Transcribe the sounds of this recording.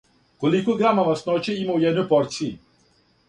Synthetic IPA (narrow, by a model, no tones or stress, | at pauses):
kolikoɡɾamaʋasnot͡ɕeimaujɛd̪nojpoɾt̪sii